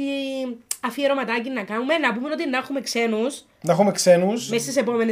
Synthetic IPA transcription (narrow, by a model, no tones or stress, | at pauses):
i | ɐfieɾomɐt̪ɐcinːɐkɐnume̞nɐpumeno̞t̪inɐxume̞kse̞nus | nɐexumekse̞nusmest̪isepo̞mene